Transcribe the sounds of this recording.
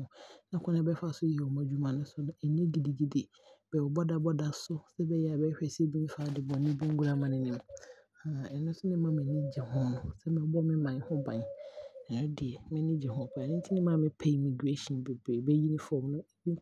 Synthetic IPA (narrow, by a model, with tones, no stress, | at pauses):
ʊ̃˨nã˨˦kʰʊ̃˦ã˦bɛ˦fa˨sʊ˦ji˨ɛ˨ɔ˨mã˨d͡ʑu˦mã˨nʊ̃˦sʊ˦ñ˦ɛ˨nĩ˦di˨di˨d͡ʑi˦dɪ˨ | b̥ɛ˨wɔ˨bɔ˦da˨bɔ˦da˨sʊ˦sɛ˦bɛ˦jɛ˨a˨bɛ˦ɕᶣɛ˨si˦e˦bĩ˦n˦faː˨˦dɪ˨bɔ̃˨nĩ˦bĩ˦ŋ˦ɡu˦ɾa˦mã˨nɪ̃˨nɪ̃˨m | ã˨ɛ˨nʊ̃˦sʊ˦nɪ̃˦mã˨˦mɪ̃˨nɪ̃˦d͡ʑi˨hɔ̃˦nʊ̃˨sɛ˦mɪ̃˨˦bɔ˦mɪ̃˦mã˨n˨˦hʊ̃˦bã˨nã˨ɛ̃˦dɪ˨ɛ˨mɪ̃˦nɪ̃˦d͡ʑi˨hʊ̃˦˨kʰa˨nɪ̃˦n̩˦tʰɪ˦nɪ̃˦mã˦˨mɪ̃˦pʰe˦i˨mɪ̃˨du˨e˦ʃĩ˨be˨be˨bɛ˦ji˦nɪ̃˦fɔ˨mnʊ̃˦˨ĩ˦